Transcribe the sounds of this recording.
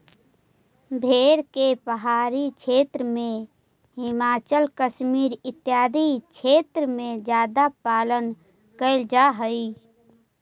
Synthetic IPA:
bʱeːɾkepəɦaːɾikt͡ʃʰeːt̪ɾəmẽ | hɪmaːt͡ʃəlkəʃmiːɾɪt̪ːjaːd̪ikt͡ʃʰeːt̪ɾəmẽd͡ʒjaːd̪apaːlən | kəɪld͡ʒaɦəi

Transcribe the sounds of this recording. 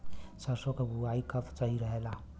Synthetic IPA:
səɾsokebʱuaikət̪t͡ʃəɦiɾəɦela

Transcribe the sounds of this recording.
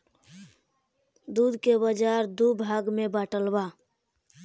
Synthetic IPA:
d̪uːd̪kebəd͡ʒaɾd̪ubʱaɡmẽbaːʈəlba

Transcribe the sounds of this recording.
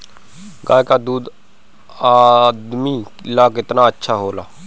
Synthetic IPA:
ɡaːjkaːd̪uːd̪ | aːd̪miːlaːkɪt̪naːətːʃʰaːɦoːlaː

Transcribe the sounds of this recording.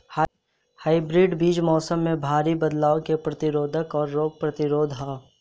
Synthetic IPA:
h | haːɪbɾiːɖbiːd͡ʒmɔːsəmːẽbʱaːɾibɐd̪laːokepɾɐt̪ɪɾoːd̪ʱəkɔːɾːoːɡ̚pɾɐt̪ɪɾoːd̪ʱɦa

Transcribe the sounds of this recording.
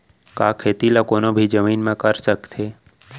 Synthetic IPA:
kakʰet̪ilakonobʱid͡ʒəminmãkəɾʃəkt̪ʰe

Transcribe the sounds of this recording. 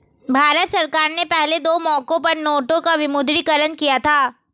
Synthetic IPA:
bʱaːɾət̪sɐɾkaːɾnepɛɦled̪oːmɔːkõpɐɾnoːʈõkaʋɪmʊd̪ɾikəɾənkijat̪ʰaː

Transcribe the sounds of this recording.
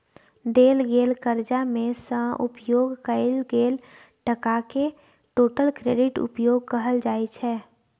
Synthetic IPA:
ɖ̪eːlɡeːlkəɾd͡ʒamẽsə̃ʔʊ̰pjoːɡkəɪlɡeːl | ʈəkake | ʈoːʈəlkɾeːɖɪʈʊ̰pjoːɡ̚kəɦəld͡ʒaːet͡ʃʰɛː

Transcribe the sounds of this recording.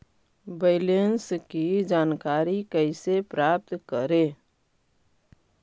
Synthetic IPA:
beɪlenskid͡ʒaːnkaːɾikəɪsepɾaːp̚t̪kəɾeː

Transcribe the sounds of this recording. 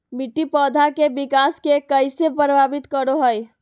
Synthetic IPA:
biʈːipəd̪ʱakebikaskekəjsepɾəbʱabit̪kəɾoɦəj

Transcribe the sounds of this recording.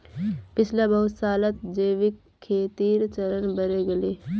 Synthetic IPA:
pɪt͡ʃʰlabɐɦʊsaːlat̪d͡ʒeːʋɪkʰːeːt̪iːɾt͡ʃəɾənbəɾeɡəleː

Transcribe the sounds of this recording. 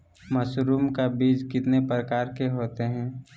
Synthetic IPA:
məsɾuːmkabiːd͡ʒkɪt̪nepɾəkaːɾkeɦoːt̪eɦɛ̃ː

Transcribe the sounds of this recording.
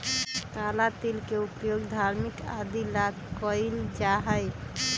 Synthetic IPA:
kalat̪ilkeupjoɡd̪ʱaɾmikad̪ilaɡkːəjld͡ʒaɦəɪ

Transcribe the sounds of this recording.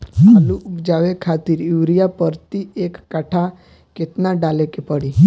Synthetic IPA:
aluʔupd͡ʒaʋekʰat̪iɾjuʋɾijapəɾt̪iekːaʈʰa | ket̪naɖalekepəɽi

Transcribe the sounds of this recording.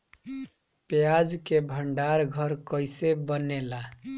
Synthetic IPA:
pejad͡ʒkebʱəɳɖaɾɡʱəɾkəjsebənela

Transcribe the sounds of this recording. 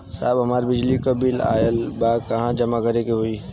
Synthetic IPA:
saːbɦɐmaːɾbɪd͡ʒlikɐbila̰ːjəlbaːkɐɦãd͡ʒɐmakɐɾekeɦoi

